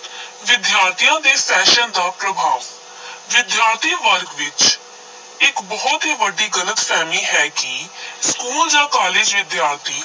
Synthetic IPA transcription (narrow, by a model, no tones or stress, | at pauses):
ʋɪd̪jaːɾt̪ʰijãːd̪eːsɛːʃənd̪aːpɾəbʱaːʋ | ʋɪd̪jaːɾt̪ʰiːʋəɾɡʋɪt͡ʃ | ɪkbɔːt̪ɦiːʋəɖiːɡələt̪pʰɛːmiːɦɛːkɪskuːld͡ʒãːkaːleːd͡ʒʋɪd̪jaːɾt̪ʰiː